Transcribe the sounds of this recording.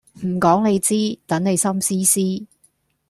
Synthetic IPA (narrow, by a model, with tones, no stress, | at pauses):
m̩˨˩kɔː˨˥ŋne˨˧jt͡siː˥t̪ɐ˨˥nne˨˧jsɐ˥msiː˥siː˥